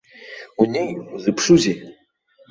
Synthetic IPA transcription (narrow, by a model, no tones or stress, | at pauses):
unʲejuzɨpʰʂuzʲi